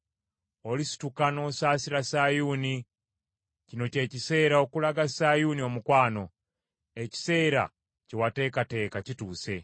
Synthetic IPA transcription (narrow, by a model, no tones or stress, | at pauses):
o̞lisi̥tukano̞ːsaːsiɾasajuni | cino̞ce̞ːcise̞ːɾao̞kulaɡasajunio̞mukwaːno̞ | e̞ci̥se̞ːɾa̰ | cewate̞ːkate̞ːkacituːse̞